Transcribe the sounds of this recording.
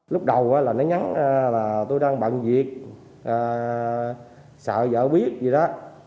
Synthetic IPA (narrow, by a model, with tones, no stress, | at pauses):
lʊ˦˥k͡p̚ɗə˨˩wʔaː˨˦laː˨˩nɔ˨˦ɲa˨˦nʔa˧laː˨˩t̪o˧jɗaː˧ŋɓa̰˧˨nzi˨˩ək̚ | ʔaː˨˩ | sə̰ː˧˨zə̰ː˧˨ɓi˦˥ət̚zi˨˩ɗɔ˨˦